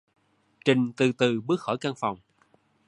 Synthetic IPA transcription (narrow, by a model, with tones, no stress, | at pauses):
t͡ɕï˨˩ŋ̟t̪ɨ˨˩t̪ɨ˨˩ɓɨ˦˥ək̚xɔ˧˩jka˧ŋfa˨˩wŋ͡m